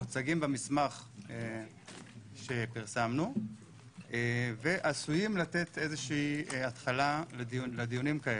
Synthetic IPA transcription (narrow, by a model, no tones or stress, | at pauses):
ot͡saɡimbemismaχe | ʃe̞piʁsamnu | ve̞ʔasujimlat̪e̞t̪e̞zeʃiːat̪χalalediled̪ijunimkae